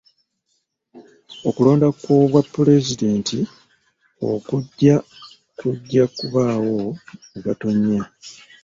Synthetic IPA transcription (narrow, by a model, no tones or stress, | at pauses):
o̞kulo̞ːndakwoβwapːule̞zide̞ːntʰi | o̞̰kuɟːa | kuɟːakuβaːwo̞ | uβato̞ɲːa